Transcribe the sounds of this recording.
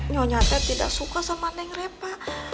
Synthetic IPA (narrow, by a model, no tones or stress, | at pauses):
ɲɔɲat̪ɛt̪ida̰ksukasamandɛŋrɛpa